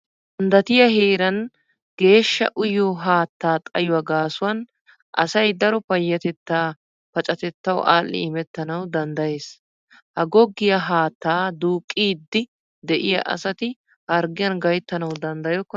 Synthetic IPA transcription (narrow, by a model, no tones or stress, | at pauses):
d̪ɐnd̪ɐt̪ɪjɐheːɾɐn | ɡ̥e̞ːʃːɐ̰ʔʊjoːɦaːt̪ːaːt̪ʼɐjʊwɐɡaːsʊwɐn | ʔɐ̰sɐjd̪ɐɾɔpɐjːɐt̪ɛt̪ːaː | pɐt͡ʃʼɐt̪ɛt̪ːɐw̰ʔaːlːɪ̰ɪmɛt̪ːɐnɐwd̪ɐnd̪ɐje̞ːs | hɐɡɔɡːɪjɐɦaːt̪ːaːd̪uːkʼːiːd̪ːɪ | d̪ɛʔɪjɐ̰ʔɐ̰sɐt̪ɪ | hɐɾɡɪjɐnɡɐjt̪ːɐnɐwd̪ɐnd̪ɐjɔkːɔ